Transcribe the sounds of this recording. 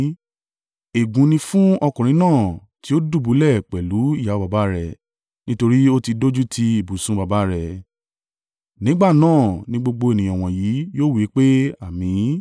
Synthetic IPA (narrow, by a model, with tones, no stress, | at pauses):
e˨ɡũ˨˦nĩ˧fũ˦ɔ˧kũ˨ɾ̃ĩ˨˦nãː˦˨ | ti˨˦o˦du˦˨bu˨˦lɛ˦˨k͡pɛ˨lu˨˦i˦˨ja˨˦ba˧ba˦ɾɛ˨ | nĩ˦to˧ɾi˦o˦ti˧do˦d͡ʒu˦tʰi˧˦i˨bu˨sũ˦ba˧ba˦ɾɛ˨ | nĩ˨˦ɡ͡ba˦˨nãː˦˨nĩ˦ɡ͡bo˧ɡ͡bo˧e˨nĩ˨j̃ɔ̃˨w̃ɔ̃˨jiː˨˦joː˦˨wi˦k͡pe˦a˦˨mĩ˨˦